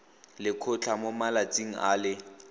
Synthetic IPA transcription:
lɪkʰʊt͡ɬʰamomalat͡sʼiŋ̩a̰ːlɪ

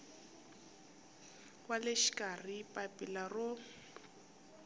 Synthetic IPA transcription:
waleʃi̥kʼaripʼapʼilarʊ

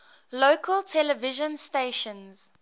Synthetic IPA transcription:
loːkʰəltʰɛlɛvɪʒə̃nsteɪʃə̃nz̥

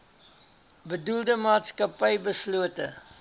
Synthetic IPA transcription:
bədulˠdəmɑːtskɐpəjbəsluətə

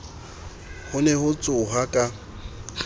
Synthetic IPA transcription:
hʊnɛhʊt͡sʼʊɦakʼa

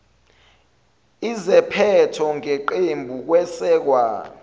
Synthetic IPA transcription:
izɛpʰɛtʰɔŋeǃembʱuk̬wɛsɛːk̬waː

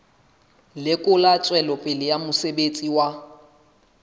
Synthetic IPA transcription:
lɪkʼʊlat͡sʼwɛlɔpʼɪlɪjamʊsebet͡sʼiwa

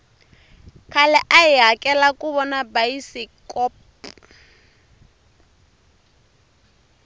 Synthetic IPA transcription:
kʰalɛʔaiɦakʼɛlakʼuβɔnabajisikʼɔːp

